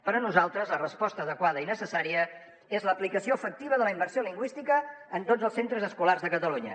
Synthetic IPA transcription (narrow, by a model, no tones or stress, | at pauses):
pəɾənuzalˠt̪ɾəzlərəspɔst̪əːðəkwaðəinəsəsaɾiə | ezləːplikəsioəfək̚t̪iβəðələimbəɾsioliŋɡwist̪ikəːnt̪od͡zəlˠsent̪ɾəzəskularzðəkət̪əluɲə̰